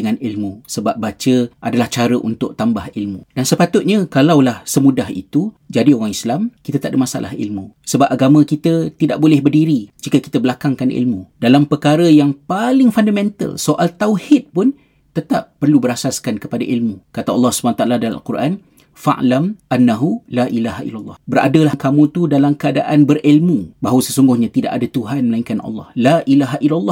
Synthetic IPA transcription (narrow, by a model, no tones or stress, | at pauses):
dəŋanilmũsəbap̚bat͡ʃəʔadalaht͡ʃaɾəʔṵnt̪ʊʔ̚t̪ambahilmṵdansəpat̪ʊt̪̚ɲãkalawlahsəmũdahḭt̪ud͡ʒadioɣaŋislamkit̪at̪aʔdəmasa̰lʔa̰hḭlmũsəbap̚aɡamãkit̪ət̪ida̰ʔ̚bolɛhbərdiɾid͡ʒikəki̥t̪əbəlakaŋkanʔḭlmũdalampəkaɾəjaŋpalɪŋfandamɛ̃nt̪a̰lsoʔalt̪awhɪt̪̚pʊn | t̪ət̪ap̚ːərlubəɾasaskankəpadaʔilmukat̪aɑlˠːɑhsu̥banat̪aʔaladala̰lkurʔan | fa̰ʔlamʔanːaɦulaʔilaɦaʔḭlːalˠːɑ̰hbəɾa̰dəlakamũt̪udalamkəada̰ʔanbərilmubaɦwəsəsuŋɡʊhɲãt̪ida̰ʔadat̪uɦanməlaiŋkanɑ̰lːɑ̰hlaʔilaɦaʔilalˠˤːɑh